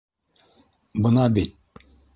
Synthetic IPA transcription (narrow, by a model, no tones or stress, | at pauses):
bɤ̆nɑbit̪̚